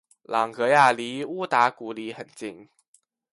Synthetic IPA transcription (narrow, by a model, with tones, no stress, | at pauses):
lɑ˨˩ŋkɤ˧˥ja˥˩li˧˥u˥˦t̪a˧˥ku˧˥li˧˥xə˨˩nt͡ɕi˥˩ŋ